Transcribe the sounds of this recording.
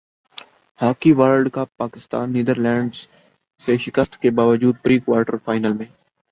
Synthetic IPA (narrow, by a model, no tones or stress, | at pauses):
haːkiʋaːɾɖkapaːkɪst̪a̰ːnːiːd̪əɾlɛ̃ːɳɖz | seʃɪkəst̪kebaːʋəd͡ʒuːd̪̚pɾiːkʋaːɾʈəɾfʰaːɪnəlmẽː